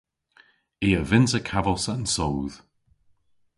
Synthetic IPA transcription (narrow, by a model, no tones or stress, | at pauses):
iːəvɪnsəkʰavəlˠsənsowð̥